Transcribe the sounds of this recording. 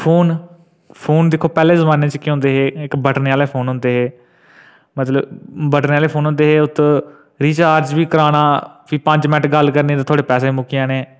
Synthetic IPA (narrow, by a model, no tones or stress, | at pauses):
pʰoːn | pʰoːnd̪ɪkʰːoːpɛːleːzəbãːneːt͡ʃkːɦʊ̃nd̪eːɦeːɪkbəʈneːaːleːpʰoːnɦʊ̃nd̪eːɦeː | mət̪ləbbəʈneːaːleːpʰoːnɦʊ̃nd̪eːɦeːʊt̪ː | ɾiːt͡ʃaːɾd͡ʒbiːkəɾaːnaːpiːpə̃ɲd͡ʒmɛʈɡəlkəɾneːt̪ãːt̪ʰoːɽeːpɛːseːmʊkijãːneː